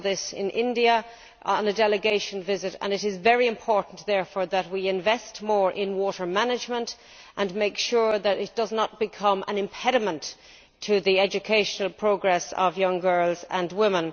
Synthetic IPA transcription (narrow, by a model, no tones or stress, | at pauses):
ðɪsɪ̰̃nʔɪ̰̃ndiə | ʔə̃nədɛləɡeɪʃə̃nvɪzɨɾə̰̃nɨɾɪzvɛɹiɨ̃mpʰɔɹʔn̩ðɛɹfɔːɹðət̚wiɪ̃ɱvɛstmɔːɹʔɪ̃nwɔɾə˞manɨd͡ʒmə̃nt | ʔə̃nmeɪkʃʊɹðəɾɪt̚d̥ʌznət̚b̥ɨkʰʌ̃mə̰̃nɨ̃mpʰɛɾɨmə̃nt | tʰɨðiɛd͡ʒɨkʰeɪʃənəlˠpʰɹ̥oʊɡɹɛsʌ̰vjʌ̃ŋɡɜ˞lˠzə̃nwɪ̃mə̃n